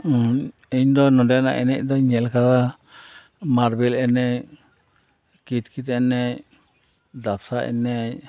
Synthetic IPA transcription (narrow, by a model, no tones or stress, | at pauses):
iɲd̪ɔnɔɖɛjana̰ʔɛ̰nɛ̰c̚ˀd̪ɔɲɛlkad̪a | maɾbilɛnɛ | kit̪̚kit̪ɛnɛ | d̪apsaʔɛ̰nɛ